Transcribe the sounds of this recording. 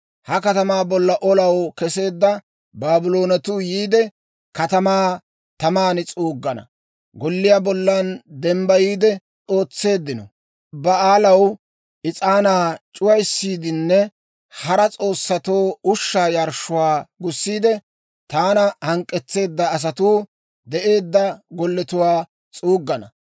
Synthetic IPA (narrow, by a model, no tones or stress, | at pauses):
hɐkɐt̪ɐmaːbɔlːɐʔɔlɐwkɛse̞ːd̪ːɐ | baːbɪlo̞ːnɐt̪uːjiːd̪ɛ | kɐt̪ɐmaː | t̪ɐmaːnɪt͡sʼuːɡːɐnɐ̰ | ɡɔlːɪjaːbɔlːɐnd̪ɛmbɐjiːd̪ɛ | t͡sʼo̞ːt͡sːe̞ːd̪ːɪnɔ̰ | bɐaːlɐw | ʔɪt͡sʼaːnaːt͡ʃʼʊwɐjsːiːd̪ɪnːɛ | hɐɾɐt͡sʼo̞ːsːɐt̪oːʊʃːaːjɐɾʃʊwaːɡʊsːiːd̪ɛ | t̪aːnɐhɐŋkʼːɛt͡sːe̞ːd̪ːɐːs̬ɐt̪uː | d̪ɛʔe̞ːd̪ːɐɡɔlːɛt̪ʊwaː | t͡sʼuːɡːɐnɐ̰